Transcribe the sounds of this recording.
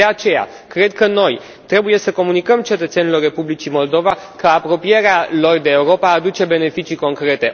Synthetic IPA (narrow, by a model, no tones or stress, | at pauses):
eat͡ʃe̞ja̰ | kɾe̞d̪kəno̞j | t̪ɾe̞buje̞səko̞munikəmt͡ʃe̞t̪ət̪se̞nilo̞rːe̞publit͡ʃimo̞ld̪o̞vakəapɾo̞pije̞ɾealo̞rd̪eːuɾo̞paːd̪ut͡ʃe̞be̞ne̞fit͡ʃiko̞ŋkɾe̞t̪e̞